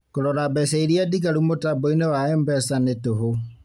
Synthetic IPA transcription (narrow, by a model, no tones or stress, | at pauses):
koɾɔɾabɛsɛiɾiadiɡaɾumotabɔinewaɛmbɛsanetoɦo